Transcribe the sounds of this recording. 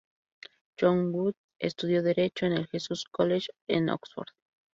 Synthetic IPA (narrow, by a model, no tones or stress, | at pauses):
t͡ʃoŋbut̪ | ḛst̪uðjo̞ðeɾe̞t͡ʃoenelxesuskoleʃeno̰ksfo̰ɾð